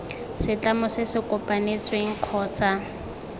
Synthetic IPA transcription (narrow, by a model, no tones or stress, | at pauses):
sɪt͡ɬʼamʊsɪsɪkʼʊpʼanet͡sʼweŋ̩q͡χʰɔːt͡sʼa